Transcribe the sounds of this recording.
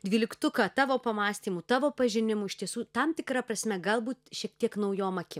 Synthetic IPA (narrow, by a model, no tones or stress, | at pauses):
d̪ʲʋʲiːlʲɪkt̪ʊkɐt̪ɑːʋoːpɐmɑːsʲt̪ʲiːmuːt̪ɑːʋoːpɐʒʲɪnʲɪmʊɪʃt̪ʲiɛsuːt̪ɐmt̪ʲɪkɾɐpɾɐsʲmʲɛɡɐlˠbuːt̪ʃʲiɛk̚t̪ʲiɛknɐʊjoːmɐkʲɪ